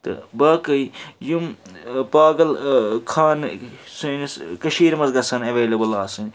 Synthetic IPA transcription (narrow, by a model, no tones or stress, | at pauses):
t̪ɨ̰baːkɐijumpaːɡɐlkʰaːnsunskɐʃiːɾmɐzɡɐsɐnɐʋeːlɐbɐlaːsɨnʲ